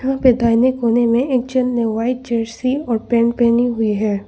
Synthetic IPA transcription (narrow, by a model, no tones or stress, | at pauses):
ɦãped̪aːɪnekoːnemẽʔeːk̚d͡ʒənnẽʋaːɪt̪̚d͡ʒeːɾsiɔːɾpɛ̃ːɳʈ̚pɛːniɦʊiɦɛː